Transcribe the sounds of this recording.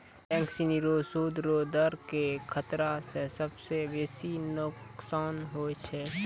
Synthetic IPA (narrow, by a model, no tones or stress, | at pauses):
ʈɛ̃ːŋksiniɾoːsuːd̪ɾoːd̪əɾkekʰət̪ɾasesəbsebeːsinʊksaːnɦoːt͡ʃʰɛ